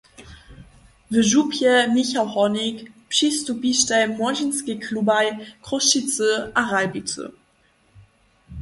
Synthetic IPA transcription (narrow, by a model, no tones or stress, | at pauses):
vəʒupʰjəmiçahɔnɪkpʃistubiʃtalmɔʒinskikʰlubajkʁoʃit͡səʔaʁalbitə̰